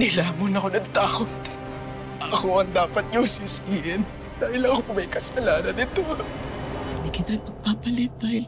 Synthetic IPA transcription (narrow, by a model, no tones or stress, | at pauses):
nɪlaːmʊnɐko̞nɐɡ̚t̪aːkot̪ | ɐko̞ʔɐŋd̪aːpɐt̪̚ɲʊsɪskɪɪn | d̪̥aːhɪlɐkomɐjkɐsɐlaːnɐnɪt̪o̞ | hɪnd̪iːkɪt̪aŋpɐɡ̚papɐlɪt̪̚d̪aːhɪl